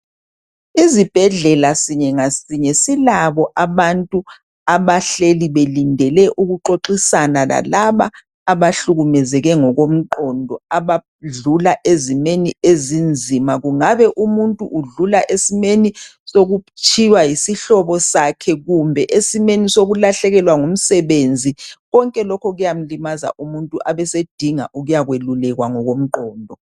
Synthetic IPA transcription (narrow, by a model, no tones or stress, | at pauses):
izib̥ʱɛɮɛlasiɲɛŋasiɲɛsilaβɔʔaβantʼu | aβaɬeliβelindʱɛlɛʔuɣuǃoǃisanala̰laβaː | βaɬuɣumɛzɛɣɛŋɔɣom̩ǃɔndʱɔaβa | ɮulaʔezimeniezind͡zʱimaɣuŋaβɛʔumuntʼuʔːɮulaʔesimeni | soɣut͡ʃʼʰiwajisiɬɔβɔsakʰɛɣumbʱɛʔesimenisoɣulaɬɛɣɛlwaŋum̩sɛβend͡zʱiɣɔŋkʼɛlɔkʰɔɣujam̩limaza̰ʔumuntʼuʔaβɛsed̥ʱiŋa̰ʔuɣujaɣwelulɛɣwaŋɔɣom̩ǃɔːndʱɔ